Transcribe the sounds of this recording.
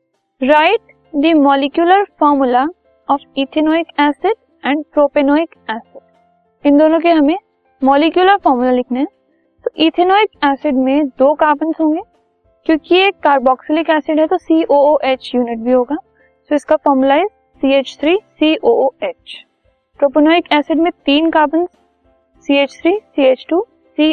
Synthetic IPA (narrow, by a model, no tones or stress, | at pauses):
ɾaːɪʈ | d̪imɔːlikjʊləɾfɔːɾmula | ɔːfiːt̪ʰenoːɪkɛːsɪɖ | ɛ̃ːɳɖpɾoːpenɔːɪkɛːsɪɖ | ɪ̃nd̪oːnõk̬eɦɐmẽ | mɔːlɪkjuləɾfɔːɾmulalɪkʰneɦɛ̃ | t̪oʔiːt̪ʰenoːɪkɛːsɪɖmẽd̪oːkaːpənsɦõːŋɡeː | kjõːkieːkːaːɾbɔːksɪlɪkɛːsɪɖɦɛt̪osiːʔoːoːʔeːt͡ʃjuːnɪʈ̚bʱiɦoːɡaː | soɪskafɔːɾmulaɪz | siːeːt͡ʃt̪ʰɾiːsiːʔoːeːt͡ʃ | pɾoːpenoːɪkɛːsɪɖmẽt̪iːnkaːbənzː | iːeːt͡ʃt̪ʰɾiːsiːeːt͡ʃʈuː | siː